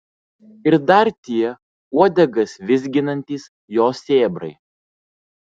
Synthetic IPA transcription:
ɪɾd̪ɐɾt̪ʲiɛ | uɔd̪ʲɛɡɐsʋʲɪzʲɡʲɪnɐnʲt̪ʲiːs | joːsʲeːbɾɐ̰ɪ

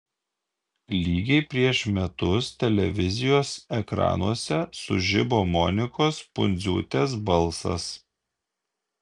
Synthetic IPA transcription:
lʲiːɡʲɛɪpʲɾʲiɛʃmʲɛt̪ʊst̪ʲɛlʲɛʋʲɪzʲɪjoːsɛkɾɑ̰ːnuɔsʲɛsʊʒʲɪboːmɔnʲɪkoːspʊnʲzʲṵːt̪ʲɛs̬bɐlˠsɐ̰s

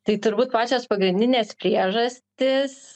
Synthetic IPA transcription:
t̪ɐɪt̪ʊɾbuːt̪pɑːt͡ʃʲoːspɐɡɾʲɪnʲd̪ʲɪnʲeːspʲɾʲiɛʒɐsʲt̪ʲɪs

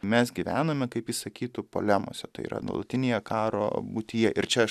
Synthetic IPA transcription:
mʲɛsɡʲiʋʲæːnoːmʲɛkɐɪpjisɐkʲiːt̪ʊpo̰lʲæmo̰ːsʲɛt̪ɐɪḭːɾʔɐ̰d̪o̰ːlˠɐt̪ʲɪnʲeːjɛkɑːɾo̰ːbʊt̪ʲɪjɛʔɪɾt͡ʃʲɛ

